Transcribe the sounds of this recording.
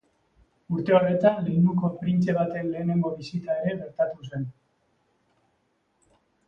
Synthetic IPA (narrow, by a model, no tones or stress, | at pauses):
uɾt̪e̞o̞re̞t̪anle̞nd̪uko̞pɾint͡se̞β̞at̪e̞nle̞ːne̞ŋɡo̞βisit̪ae̞ɾe̞ɣe̞ɾt̪at̪us̬e̞n